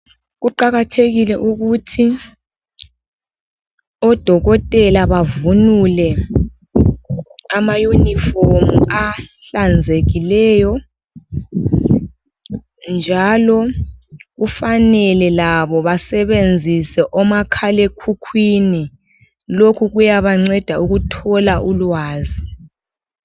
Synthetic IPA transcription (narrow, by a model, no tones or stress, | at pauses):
ɣuǃaɣatʰeɣilɛʔuɣutʰi | ɔd̥ʱɔɣɔtʼɛlaβavunulɛ | amajuniformuaɬand͡zʱeɣilɛːjɔ | nd͡ʒʱalɔ | ɣufanɛlɛlaβɔβasɛβend͡zʱisɛʔɔmakʰalekʰukʰwini | lokʰuɣujaβaŋ͡ǀɛd̥ʱauɣutʰɔlaʔulwaːzi